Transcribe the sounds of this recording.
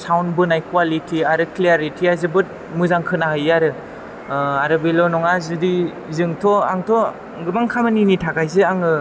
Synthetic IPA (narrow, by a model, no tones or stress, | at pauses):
sawnbɯnajkwalitʰiaɾɯkliaɾitʰiazɯbɯt̚ | mɯzaŋkʰɯnaɦɯjaɾɯ | aɾɯbilɔnɔŋazɯdi | zɯŋtʰɔa̰ŋtʰɔ | ɡɯmaŋkʰamaninitʰaɡajzɯaŋɯ